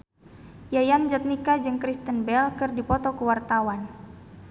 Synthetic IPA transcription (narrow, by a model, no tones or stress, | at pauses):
jajand͡ʒat̪̚nikad͡ʒɨŋkɾist̪ənbɛlkɨrdipɔt̪ɔkəwart̪awan